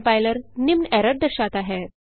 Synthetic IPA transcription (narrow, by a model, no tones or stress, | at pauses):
pajləɾnimnɛɾəɖ̚d̪əɾɕat̪aɦe